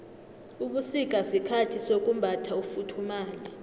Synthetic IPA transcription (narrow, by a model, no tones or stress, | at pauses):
uɓusik̬ʼasikʰatʰisok̬ʼum̩bʱatʰaufutʰumaːla